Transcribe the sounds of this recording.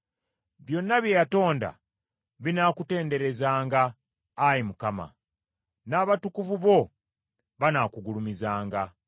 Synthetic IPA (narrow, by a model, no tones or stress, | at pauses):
βjo̞nːaβjejato̞ːnda̰ | βinaːkute̞ːnde̞ɾe̞zaːŋɡaː | jimukama̰ | naːβatukuvuβo̞ | βanakuɡulumizaːŋɡa